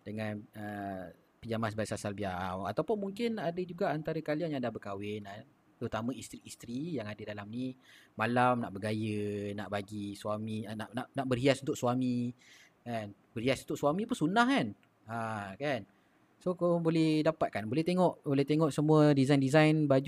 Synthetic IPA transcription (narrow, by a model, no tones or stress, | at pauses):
dəŋanə | pəd͡ʒamas̬baisasalbiawa̰t̪awpʊnmuŋkɪnadəd͡ʒuɡaʔant̪aɾəkalianjaŋdahbərkawɪnan | t̪əɾut̪amə̃ist̪ɾiːst̪ɾijaŋadədalamnimalamnaʔbəɡajənaʔbaɡisuaminaʔnaʔnaʔbərɦiasunt̪ʊkʔswami | kanbərhiasunt̪ʊʔ̚swamĩpʊnsunahkan | akan | sokabolɛhdapat̪̚kanbolɛht̪eŋɔʔbolɛht̪eŋɔʔsəmũədizajndizajnbad͡ʒu